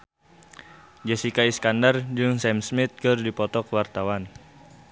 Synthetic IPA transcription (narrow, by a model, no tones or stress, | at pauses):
d͡ʒɛsikaiskandard͡ʒɨŋsɛmsmit̪̚kɨrdipɔt̪ɔkəwart̪awan